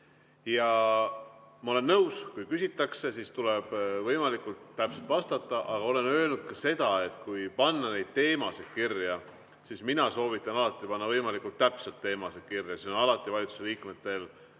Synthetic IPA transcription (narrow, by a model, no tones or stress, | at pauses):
jɑ | mɑo̞le̞nːɤwskujkysʲit̪ːˑɑkse̞sist̪uleb̥vɤjmɑlikːˑult̪ːæpselt̪vɑst̪ɑt̪ˑːɑʔɑɡ̥ɑo̞le̞nø̞ːlnud̪̥̚kɑse̞d̪̥ɑe̞t̪ˑkujpɑnːɑne̞jd̪̥̚t̪e̞ːmɑsekirjɑ | sisminɑso̞ːvit̪ˑːɑnɑlɑt̪ːˑipɑnːɑvɤjmɑlikult̪ːæpselt̪ːe̞ːmɑsekirjɑseonɑlɑt̪ːˑivɑlʲit̪su̥se̞liːkmet̪ːˑe̞l